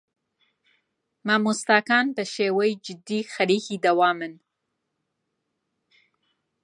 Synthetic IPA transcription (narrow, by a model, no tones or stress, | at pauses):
mɑmʊst̪ɑːkɑːnbəʃewəjd͡ʒɪd̪ixaɾixid̪awɑːmən